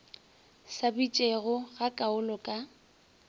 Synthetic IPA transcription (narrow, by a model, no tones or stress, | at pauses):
sabit͡ʃʼeɣʊɣakʼaʊlɔkʼa